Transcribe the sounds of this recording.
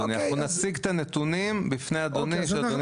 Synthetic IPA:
niaaunasiɡt̪anet̪unimbifnejad̪onimʃead̪on

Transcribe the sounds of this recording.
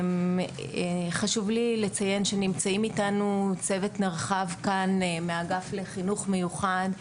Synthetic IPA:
m | χaʃuvlile̞t͡saje̞nʃenimt͡saimitanut͡se̞vetnaʁχavkanmeaɡafle̞χinuχmejuχad

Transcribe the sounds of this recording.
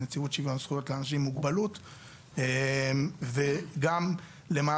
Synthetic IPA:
net͡siutʃivjoamsχujo̞tleanaʃimːuɡbalut | e | veɡam | lemaː

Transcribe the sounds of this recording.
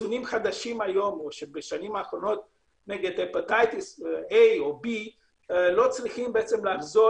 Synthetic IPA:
unimχad̪aʃimajo̞moʃebeʃanimaːχɾo̞no̞t̪̚ | neɡed̪epot̪ajt̪isejobi | lo̞t͡sliχimbeet͡se̞mleafzo

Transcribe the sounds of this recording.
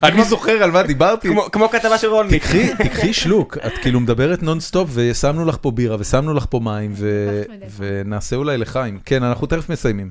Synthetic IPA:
aniozo̞χeʁalmad̪ibaʁt̪imokmokat̪avaʃelʁonikχit̪ikχiʃluka̰t̪kiilumed̪abe̞ʁet̪no̞nst̪o̞pve̞jsamnulaχpo̞biʁave̞samnulaχpo̞maimve̞ | ve̞naːseulajle̞χajimke̞nanaχnut̪eʁefmesajmim

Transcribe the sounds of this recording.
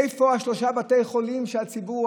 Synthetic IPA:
jfo̞haʃlo̞ʃabatejχo̞limʃeat͡sibu

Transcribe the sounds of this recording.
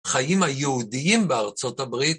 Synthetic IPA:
χajimajeudiimbeaʁt͡so̞tabʁi

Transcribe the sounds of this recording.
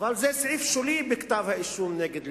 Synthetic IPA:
valzɛsʕiːfʃuliːbɪkt̪aːbhaʔɪʃuːmnɛːɡɪd̪

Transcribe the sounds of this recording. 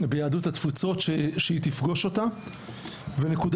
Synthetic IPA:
bejaːdut̪hat̪fit͡so̞t̪ʃeʃeit̪ifɡo̞ʃo̞t̪a | venekud

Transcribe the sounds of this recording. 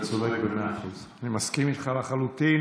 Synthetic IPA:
t͡sodekbemeaχuzanimaskimit̪χalaχalut̪i

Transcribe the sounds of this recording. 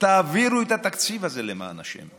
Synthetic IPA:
t̪aviɾujt̪at̪akt͡sʰivazelema̰ːna̰ʃɛ̰m

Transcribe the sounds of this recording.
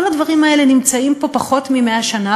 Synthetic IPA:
oladvaʁimae̞le̞nimt͡saimpo̞paχo̞tmimeaʃana

